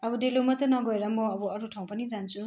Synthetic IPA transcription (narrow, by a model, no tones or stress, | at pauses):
ɐbudelumɐtɐnɔɡojɾamɔɐbɔɐɾutʰawpʰanizansu